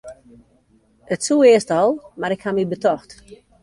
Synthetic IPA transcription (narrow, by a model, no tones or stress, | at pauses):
ətsuːɪəstɔlˠmaɾɪkhamibətɔxt